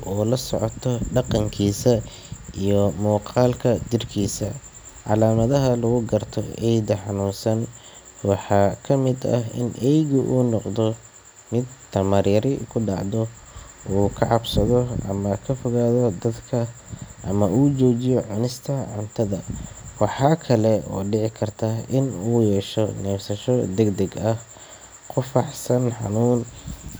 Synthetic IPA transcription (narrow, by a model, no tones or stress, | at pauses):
ɔːlɐsɔʕɔt̪ʰɔɖɑqɑŋkʰiːsɐ | ʔijɔmuːqɑːlkʰɐd͡ʒɪrkʰiːsɐ | ʕɑ̰laːmɐðɐɦɐlʊɣʊɡɐrt̪ʰɔɛjd̪ɐħɑnuːnsɐn | wɑħɑːkʰɐmɪd̪ɐ̰hɪ̰nʔɛjɣʊʔuːnɔqd̪ɔ | mɪd̪t̪ʰɐmɐrjɐɾɪkʰʊɖɑ̰ʕd̪ɔ | ʔuːkʰɐʕɑbsɐðɔʔɐ̰mɐkʰɐfɔɣaːðɔd̪ɐd̪kʰɐʔɐmɐʔuːt͡ʃɔːt͡ʃɪjɔʕʊnɪst̪ʰɐʕʊnt̪ʰɐðɐwɑħɑːkʰɐlɛɔ̰ːɖɪʕɪkʰɐrt̪ʰaɪnuːjɛːʃɔnɛːfsɐʃɔd̪ɛɡd̪ɛɡɐh | qʰʊfɑħsɐnħɑ̰nuːn